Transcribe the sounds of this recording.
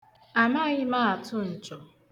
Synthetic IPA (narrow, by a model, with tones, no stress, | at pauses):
a˨ma˦ɣɪ˦ma˦˨a˨tʊ˦n̩˨t͡ʃɔ˨